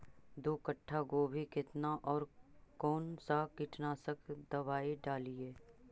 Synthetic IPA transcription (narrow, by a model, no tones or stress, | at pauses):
d̪oːkəʈʰːaɡoːbʱikɪt̪naʔɔːɾkɔːnsakɪʈnaːsəkʰd̪ɐbaːeɖaːlieː